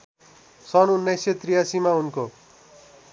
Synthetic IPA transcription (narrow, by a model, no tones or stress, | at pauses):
sʌnunːʌset̪rijasimaunko